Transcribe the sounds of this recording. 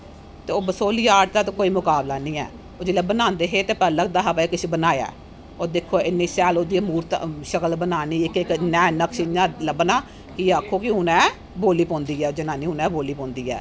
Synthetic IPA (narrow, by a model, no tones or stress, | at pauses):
t̪eːoːbəsoːliːaːʈd̪aːt̪oːkoːiːmʊkaːblaːnĩːɛ̰ː | oːd͡ʒeːlebənaːnd̪eːɦeːt̪eːpɛːləɡ̚d̪aːɦəpekɪʃibənaːja̰ː | oːd̪ekʰːoːɪnːiːsɛːloːd̪iːəmuːɾt̪ʃəkəlbənaːniːɪkɪknɛːnəkʃɪnaːləbnaː | kɪaːkʰːoːkɪʊnɛ̃ː | boːliːpõːnd̪iːɛːod͡ʒənaːnĩːʊnɛ̃ːboːliːpɔ̃ːnd̪iːɛ̰ː